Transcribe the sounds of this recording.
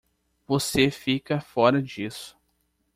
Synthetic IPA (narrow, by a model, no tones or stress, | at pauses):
vosefikɐfɔɾɐd͡ʒisʊ̥